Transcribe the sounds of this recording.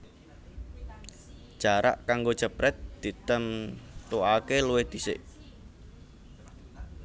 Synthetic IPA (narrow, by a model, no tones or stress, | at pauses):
ʒ̥aɾa̰ʔkaŋɡo̥ʒ̥ə̤pɾɛt̪̚d̪̥i̤t̪ənt̪uakeluwehd̪isɪ̰ʔ